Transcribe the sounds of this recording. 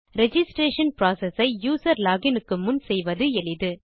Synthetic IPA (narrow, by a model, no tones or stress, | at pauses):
ɾɛd͡ʒɪsʈɾeːʂɐnpɾaːsɛsɐɪjuːsɐɾlaːɣɪnɯkːɯmʊnsɛjʋɐðɯɛɭɪðɯ